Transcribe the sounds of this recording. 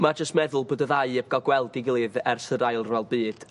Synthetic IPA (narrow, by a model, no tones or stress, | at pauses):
mad͡ʒəstmɛðʊlˠboːdəðaɨɛb̚ɡ̥ɔɡwɛlˠdiɡilˠɨðɛrsəɾajlˠrɛlˠbɨːd̥